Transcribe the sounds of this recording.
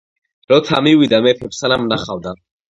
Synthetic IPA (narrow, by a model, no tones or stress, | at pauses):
ɾɔt̪ʰa̰mivid̪amɛpʰɛpsanamnaχawd̪a